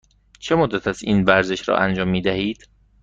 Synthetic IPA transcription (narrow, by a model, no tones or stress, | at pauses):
t͡ʃʰe̞mod̪ːæt̪ʰæsiːnvæɾze̞ʃɾɒ̰ːʔænd͡ʒɒːmːiːd̪æhiːd̪̥